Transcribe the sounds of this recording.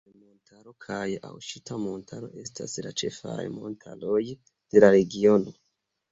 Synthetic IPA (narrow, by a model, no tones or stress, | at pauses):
montʰaɾo̞kʰaja̰wʃitamo̞ntʰaɾo̞̰ʔe̞stʰa̰slat͡ʃe̞̰fa̰jmo̞ntʰalo̞j | d̥e̞laɾe̞ɡio̞no̞